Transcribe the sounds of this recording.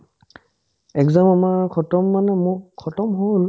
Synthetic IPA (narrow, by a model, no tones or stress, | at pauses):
ɛkzamamaɹkʰɔtɔmːanɛmʊkʰɔtɔmɦol